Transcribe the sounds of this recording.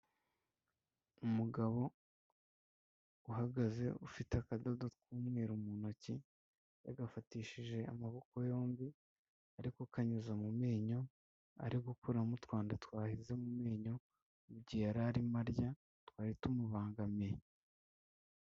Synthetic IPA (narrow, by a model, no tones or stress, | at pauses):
umuɡaβo̞ | uɦaɡaze̞ufiteakadadot̚kuːmŋiːɾumunoci | jaɡafatiːʃiʒe̞a̰maβo̞ko̞jo̞ːmbi | aɾikokaɲuzamumeːɲo̞ | a̰ɾiɡukuɾamutwaːndatwaːhize̞mumeːɲo̞ | uɟiaɾaɾimaɾɟa | twaːɾitumuβaːŋɡamej